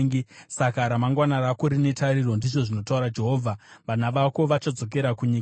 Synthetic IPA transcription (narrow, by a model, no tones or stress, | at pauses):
ɡisakaɾamaŋɡwanaɾakoɾine̞tʰaɾiɾo̞ndiʐo̞ʐino̞tauɾad͡ʒe̞ɦoːvʱaʋan̤aʋako̞ʋat͡ʃad͡zo̞k̬e̞ɾakuɲik